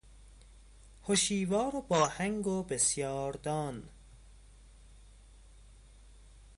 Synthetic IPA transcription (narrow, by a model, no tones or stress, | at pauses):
hoʃiːvɒːɾobɒːhæŋɡobesjɒːɾd̪ɒːn